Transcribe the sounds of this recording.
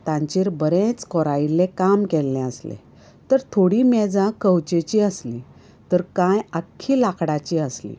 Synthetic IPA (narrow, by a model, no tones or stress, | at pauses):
t̪ãɲt͡ɕiɾbəɾẽt͡skɔɾailẽkamkɛlːɛ̃əslḛ | t̪əɾt̪ʰoɽimɛd͡zãkəwt͡ɕet͡ɕiəsli | t̪əɾkãjakʰːilakʰɽat͡ɕiəslḭ